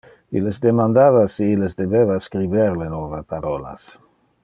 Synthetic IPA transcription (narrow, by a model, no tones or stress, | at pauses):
ilezd̪emand̪avasiilesd̪ebeβaskɾibeɾlenovapaɾola̰s